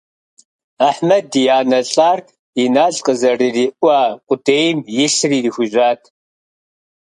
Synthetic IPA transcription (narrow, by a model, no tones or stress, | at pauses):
aħmɐdijaːnɐɬʼaːr | inaːɮqʼəzɐriːriːʔʷaːqʷʼʊdeːjmjɪɬriːrixʷʊʑʷaːtʰ